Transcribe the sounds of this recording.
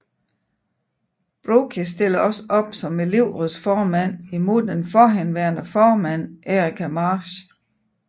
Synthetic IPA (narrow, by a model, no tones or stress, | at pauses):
b̥ʁokʰisd̥e̝l̰ɐɒ̽səʔɒ̽b̥sɒ̽me̝le̝ʊ̰ʁuðˠsfɒːmæn̰imo̝ð̰ˠd̥enfɒɦenʋæɐnəfɒːmæn̰ʔeʁikʰæmɑːɕ